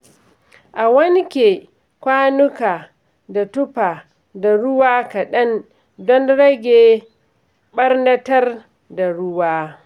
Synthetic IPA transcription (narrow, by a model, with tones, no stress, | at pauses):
ʔa˨wɐ˦ŋkʲe˨ | kʷaː˦nʊ˦kaː˨ | da˨tʊ˦paː˨ | da˨ɽʊ˦waː˦ka˨ɗɐ˦n | dɔ˦nɽɐ˦ɡʲeː˨ | ɓɐ˦rnɐ˦tɐ˦r | da˨ɽʊ˦waː˦